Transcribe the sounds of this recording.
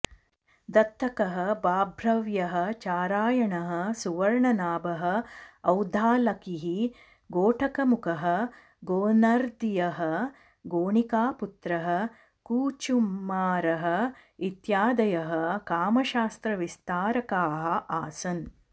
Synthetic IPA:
d̪ɐt̪ʰːɐkɐɦɐ̆baːbʱɾɐʋjɐɦɐ̆t͡ʃaːɾaːjɐɳɐɦɐ̆suʋɐɾɳɐnaːbɐɦɐ̆ɐwd̪ʱaːlɐkiɦi | ɡoːʈʰɐkɐmukɐɦɐ̆ | ɡoːnaɾd̪ijɐɦɐ̆ | ɡoːɳikaːput̪ɾɐɦɐ̆ | kuːt͡ʃummaːɾɐɦɐ̆it̪jaːd̪ɐjɐɦɐ̆kaːmɐʃaːst̪ɾɐʋist̪aːɾɐkaːɦɐ̆ʔaːsɐn

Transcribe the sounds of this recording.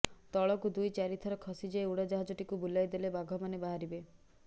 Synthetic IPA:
t̪ɔɭɔkud̪ujt͡ʃaɾit̪ʰɔɾɔkʰɔsid͡ʒeeuɽad͡ʒɔɦad͡ʒɔʈikubulajd̪elebaɡʱɔmanebaɦaɾibe

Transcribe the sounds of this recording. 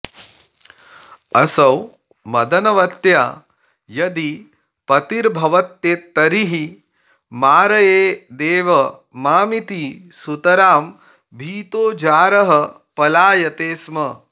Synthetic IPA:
ɐsɐw | mɐd̪ɐnɐʋɐt̪jaː | jɐd̪i | pɐt̪iɾbʱɐʋɐt̪jeːt̪ːɐɾiɦi | maːɾɐjeːd̪eːʋɐ | maːmit̪isut̪ɐɾaːm | bʱiːt̪oːd͡ʒaːɾɐɦɐ | pɐlaːjɐt̪eːsmɐ

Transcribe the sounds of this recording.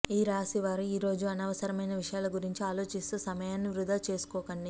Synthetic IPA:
iːɾaːsiʋaːɾuiːɾo̞ːd͡ʒuɐnɐʋɐsɐɾɐmɐjnɐʋiʂɐjaːlɐɡuɾiɲt͡ʃiaːlo̞ːt͡ʃist̪uːsɐmɐjaːnːiʋɾud̪ʱaːt͡ʃe̞ːsu̥kɔːkɐɳɖi

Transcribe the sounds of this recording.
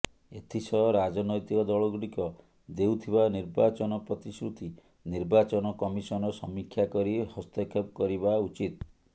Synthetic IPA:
et̪ʰisɔɾad͡ʒɔnɔjt̪ikɔd̪ɔɭɔɡuɽikɔ | d̪ewt̪ʰibaniɾbat͡ʃɔnɔpɾɔt̪isɾut̪i | niɾbat͡ʃɔnɔkɔmisɔnɔsɔmikʰːjakɔɾihɔst̪ekʰep̚kɔɾibaut͡ʃit̪̚

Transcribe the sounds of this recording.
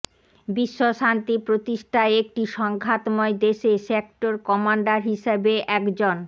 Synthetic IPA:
biʃːoʃant̪ipɾot̪iʃʈʰaeek̚ʈiʃɔŋɡʱat̪moed̪eʃesek̚ʈoɾkɔmaɳɖaɾɦiʃebeʔɛkd͡ʑon

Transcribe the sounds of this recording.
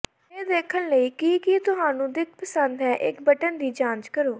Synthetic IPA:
eːd̪eːkʰːənləiːkikɪt̪ʊɦaːnũːd̪ɪk̚ʰpəsənd̪ɦɛːʔɪkbəʈənd̪iːd͡ʒãːnt͡ʃkəɾoː

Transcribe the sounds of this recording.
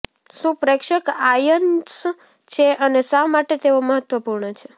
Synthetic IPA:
ʃũpɾekʃəkajəns | t͡ʃʰeʔənesamaʈet̪eʋoməɦət̪ʋəpuɾɳət͡ʃʰe

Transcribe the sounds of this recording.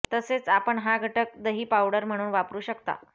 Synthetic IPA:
t̪əset͡sapəɳɦaɡʱəʈək̚d̪əɦiːpawɽəɾm̤əɽ̃uːnʋapɾuːɕəkt̪a̰

